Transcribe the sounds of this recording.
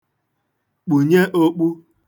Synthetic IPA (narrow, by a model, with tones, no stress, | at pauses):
k͡pu˨ɲe˦ʔo˦k͡pu˦